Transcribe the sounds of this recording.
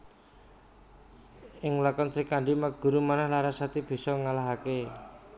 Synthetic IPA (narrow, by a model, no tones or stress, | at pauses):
ɪŋlakɔnsɾikaɳɖimaɡ̥ṳɾumanahlaɾasat̪ib̥i̤sɔŋalaɦake